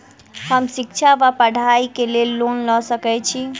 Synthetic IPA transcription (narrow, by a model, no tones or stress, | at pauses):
həmʃik̚t͡ʃʰaʋapəɽ̤ʱaikelelːonlɔsəkɛt͡ʃʰi